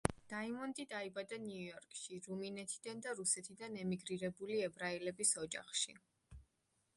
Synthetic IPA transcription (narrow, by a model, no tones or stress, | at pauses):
d̪̥aimɔnd̪id̪aibad̪aniujɔɾkʰʼʃiɾuminɛt̪ʰid̪and̪aɾusɛt̪ʰid̪anɛmiɡɾiɾɛbuliɛbɾailɛbisɔd͡ʒa̰χʃi